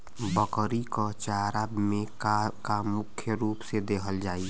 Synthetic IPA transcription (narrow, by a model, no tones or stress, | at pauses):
bəkəɾikɔt͡ʃaːɾabmẽ | kamʊkʰjəɾuːpsed̪eːkʰəld͡ʒaːi